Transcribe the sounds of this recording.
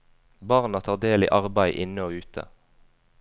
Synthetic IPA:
bɑʁnɑt̪ʰɑːʁd̪eːlɪ̰ʔɑʁbæɪʔɪnəoːʉːt̪ʰə̰

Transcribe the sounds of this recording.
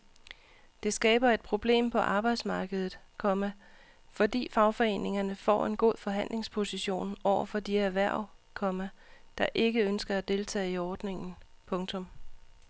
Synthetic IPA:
d̥e̝sɡ̥ɛːb̥ɐe̝d̥̚pʰʁo̝b̥le̝̰ːmpʰɒ̽ʔɑ̈ːb̥ɑ̈ɪd̥smɑ̈ːɡ̥əð̞̩ˠð̩ˠkʰɒ̽mæ | fɒ̽d̥ḭːfɑ̈ʊfɒ̽e̝̰ːne̝ŋɐnəfɒ̰ːe̝nɡ̥o̝̰ð̰ˠfɒ̽ɦæn̰le̝ŋspʰo̝siɕo̝̰ːnɒʊ̰ɐfɒ̽d̥iæʋæɐ̰ʊ̰ | kʰɒ̽mæd̥ɑ̈ʔe̝ɡ̥əønsɡ̥ɐæd̥e̝lt͡sʰɛ̰ːiɒːd̥ne̝ŋn̩pʰɔ̽ŋt͡sʰɔ̽m

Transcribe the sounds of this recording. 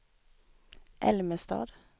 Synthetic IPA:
ʔɛ̰lməst̪ɑ̰ːd̪

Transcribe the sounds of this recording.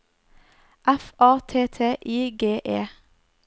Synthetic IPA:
ʔæfɑːt̪ʰeːt̪ʰeːʔiːɡeːʔeː

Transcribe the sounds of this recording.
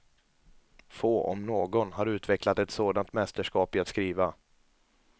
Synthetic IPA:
foːʔɔ̰mnoːɡɔnɦaɾʉ̟ːt̪vɛklat̪ɛt̪soːd̪ant̪mɛst̪əʂkɑːpɪat̪skɾiːva

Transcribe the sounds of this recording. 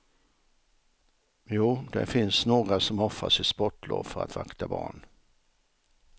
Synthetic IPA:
juːd̪ɛ̰fɪnsnoːɡɾasɔmɔfːa̰sɪspɔʈːlo̰ːvfœɾa̰t̪vakt̪abɑːɳ

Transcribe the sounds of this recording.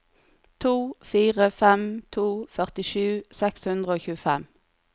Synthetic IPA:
t̪ʰuːfiːʁəfɛmt̪ʰuːfœʁt̪ɪʃʉːsɛkshʉnd̪ʁəoːçʉːəfɛm

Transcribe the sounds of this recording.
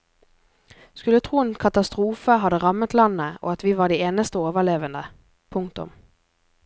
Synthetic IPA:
skʉlət̪ʰʁuːeːnkʰɑt̪ɑst̪ʁuːfəɦɑd̪əʁɑmət̪lɑnəʔo̰ːɑt̪ʋiːʋɑːɖiːeːnəst̪əoːʋəleːʋənd̪ə | pʰʊŋkt̪ʊ̰m

